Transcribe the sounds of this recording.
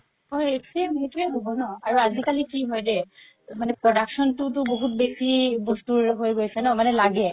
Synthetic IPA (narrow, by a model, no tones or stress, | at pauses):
ɔjeksɛmiɦɛtuɛɦobɔnɔaɹuazikalikiɦɔjdɛ | manɛpɹɔdaksɔntʊtʊboɦutbesibostuɹɦojɡojsɛnɔmanɛlaɡɛ